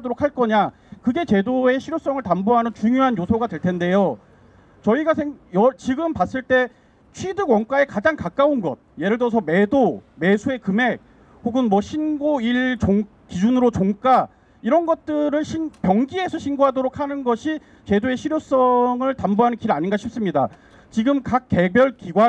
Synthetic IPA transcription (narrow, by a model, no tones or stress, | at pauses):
doɾok̚ʰaɭk͈ʌɲa | kɯɡe̞t͡ɕe̞doe̞ɕʰiɾjos͈ʌŋɯɭtamboɦanɯnt͡ɕuŋjoɦanjosʰoɡadwe̞ɭtʰe̞nde̞jo | t͡ɕʌiɡasʰeŋjʌt͡ɕiɡɯmpas͈ɯɭt͈e̞ | t͡ɕʰwidɯɡwʌŋk͈ae̞kad͡ʑaŋkak͈aonɡʌ̰t̚je̞ɾɯɭtʌs̬ʰʌme̞dome̞sʰue̞kɯme̞k̚ | hoɡɯnmwʌɕʰinɡoiɭt͡ɕoŋ | kid͡ʑunɯɾot͡ɕoŋk͈a | iɾʌnɡʌt̚t͈ɯɾɯɭɕʰinpjʌŋɡiɦe̞sʰʌɕʰinɡoɦadoɾokʰhanɯnɡʌɕʰi | ke̞doe̞ɕʰiɾjos͈ʌŋɯɭtamboɦanɯnkiɾaɲinɡaɕʰip̚s͈ɯmɲida | t͡ɕiɡɯmkak͈̚ːe̞bjʌɭkiɡwa